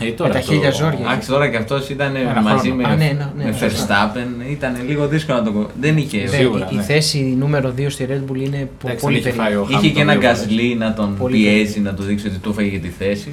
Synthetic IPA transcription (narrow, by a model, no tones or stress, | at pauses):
et̪ɐçiɾjɐzo̞ɾʝɐɐst̪o̞ɾɐceɐft̪o̞sit̪ɐnemɐzimeenonmefeɾst̪ɐpe̞nit̪ɐneliɣo̞ðiskolonɐt̪okoðeniçeɣuɾθe̞sinume̞ɾoðio̞st̪iɾed̪buline̞ppolipeoiçeceenɐɡɐzlinɐt̪o̞npiezinɐt̪oðiksio̞t̪it̪ufɐʝeʝɐt̪iθe̞si